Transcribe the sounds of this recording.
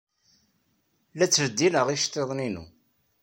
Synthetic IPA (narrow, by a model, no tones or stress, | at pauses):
læt͡sːvəd̪ːinəʁiʃt̪eðˤninṵ